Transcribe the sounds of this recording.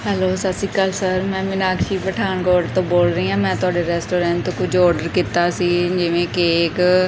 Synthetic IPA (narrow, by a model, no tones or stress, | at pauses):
ɦɛːloːsət̪siːkəlsəɾmɛ̃ːʋɪnaːkʃiːpəʈʰaːnkoːɖt̪õːboːlɾəĩːãːmɛ̃ːt̪ʊaːɖeːɾɛːsʈoːɾɛ̃ːɳt̪õːkʊd͡ʒɔːɾɖəɾkɪt̪aːsiːd͡ʒɪʋẽːkeːk